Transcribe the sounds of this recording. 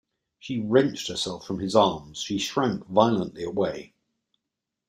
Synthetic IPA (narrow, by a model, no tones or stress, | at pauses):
ʃiɹɛ̃nt͡ʃthəsɛlˠfɹə̃mɪzɑːmz̥ʃiʃɹãŋkvaɪəlˠə̃nʔliəweɪ